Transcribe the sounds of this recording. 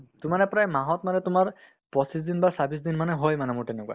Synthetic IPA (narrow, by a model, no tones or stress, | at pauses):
tʊmanɛpɹajmaɦɔtmanɛtʊmaɹ | pɔsis̬d̪inbasabis̬d̪inmanɛɦɔjmanɛmʊɹtɛnɛkwa̰